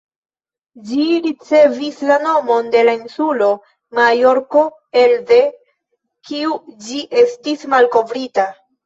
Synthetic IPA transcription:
d͡ʒiɾit͡se̞vislano̞mo̞nde̞lainsulo̞ | majo̞ɾko̞ | elde | kiud͡ʒiʔe̞stismalko̞vɾita

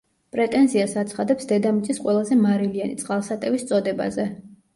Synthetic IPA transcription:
pʼɾɛt̪ʼɛnziasat̪sʰχad̪ɛpsd̪ɛd̪amit̪sʼisqʼwɛlˠazɛmaɾilianit̪sʼqʼalˠsat̪ʼɛvist̪sʼɔd̪ɛba̰zɛ

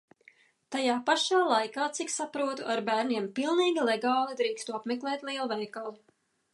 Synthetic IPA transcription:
t̪ajaːpaʃaːlˠajkaːt̪siksapɾuɔt̪uʔaɾbæːɾniɛmpilˠniːɡʲilˠɛɡaːlˠid̪ɾiːkst̪uapmɛklˠɛːt̪lˠiɛlˠvɛjkalˠi

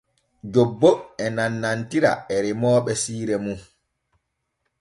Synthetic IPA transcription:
d͡ʒobːoɛnanːantiɾa̰ɛɾimɔːɓɛsiːɾɛmu

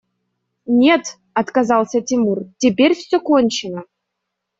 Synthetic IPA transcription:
nʲet̪ | ɑt̪kazɑlˠsʲətʲimurtʲepʲerʲfsʲokonʲt͡ɕɪnə

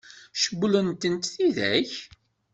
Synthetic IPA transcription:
ʃəblənt̪ənt̪θiðæ̰ç

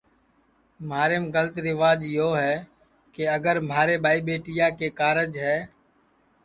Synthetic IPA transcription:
maːɾeːmɡələt̪ɾɪʋaːd͡ʒjoːɦɛː | keəɡəɾm̤aːɾeːbaːiːbeːʈɪjaːkeːkaːɾəd͡ʒɦɛː

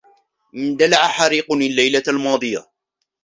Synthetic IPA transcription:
ʔɪnd̪alaʕaħaɾiːqʊnalːajlalmɑːd̪ˤɨja̰

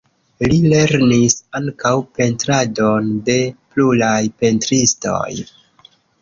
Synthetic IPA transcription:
lile̞ɾnisaŋkawpe̞ntɾado̞nde̞pluɾajpe̞ntɾisto̞̰j

